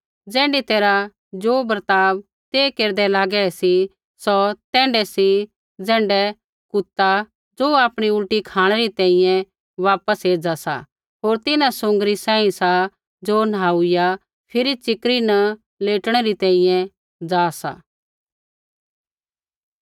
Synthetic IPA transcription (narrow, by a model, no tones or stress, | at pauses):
d͡zɛ̃ːɳɖit̪eːɾa | d͡ʒoːbɾt̪aːb | t̪eːkeːɾd̪ɛlaːɡɛsi | sɔt̪ɛ̃ːɳɖɛsi | d͡zɛ̃ːɳɖɛ | kʊt̪ːa | d͡zoːaːpɽ̃iʊʈikʰaːɽ̃ɛɾit̪ɛ̃ːĩjɛ̃ | ʋaːpəseːd͡zasa̰ | ɦoːɾt̪ɪnãsʊ̃ŋɡɾisãːĩsa | d͡ʒoːnɦaːʊɪja | pʰɪɾit͡ʃɪkɾinɐ | leːʈɽ̃ɛɾit̪ɛ̃ːĩjɛ̃ | d͡zaːsa̰ː